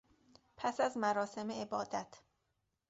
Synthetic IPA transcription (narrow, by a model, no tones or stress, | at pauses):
pʰæsæzmæɾɒːse̞meebɒːd̪æt̪ʰ